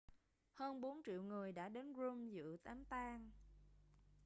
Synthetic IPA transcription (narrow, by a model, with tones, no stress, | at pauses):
həː˧nɓo˨˦nt͡ɕḭ˧˨əwŋɨ˨˩əjɗa̰ː˧˥ɗe˨˦nzu˧mzɨ̰˧˨t̪aː˨˦mt̪aː˧ŋ